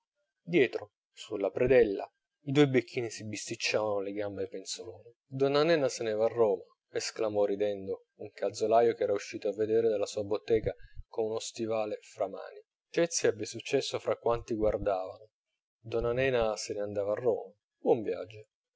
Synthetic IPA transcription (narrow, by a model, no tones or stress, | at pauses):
d̪jɛːt̪ɾo | sulːapɾed̪ɛlːa̰ | id̪uːebekʰːiːnisibist̪it͡ʃːaːvanolɪɡambeipensoloːni | d̪ɔnanɛːnasenɛːvaːrːɔːma | esklamɔrid̪ɛnd̪o | uŋkald̪zolaːjokɛːɾajuʃːiːt̪oavːed̪eːɾed̪elːasuːabot̪ːɛːɡakonunost̪ivaːlefɾama̰ːni | t͡ʃɛt̪sːiɛbːesut͡ʃːɛsːofɾakːwant̪iɡward̪aːvano | d̪ɔnːanɛːnaseneand̪aːvaːrːo̰ːma | bwɔɱvja̰d͡ʒːo